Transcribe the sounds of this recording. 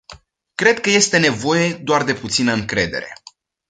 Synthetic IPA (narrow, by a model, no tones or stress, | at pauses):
kɾe̞d̪̚kəje̞st̪e̞ne̞vo̞je̞d̪oard̪e̞put̪sinəɨŋkɾe̞d̪e̞̰ɾe̞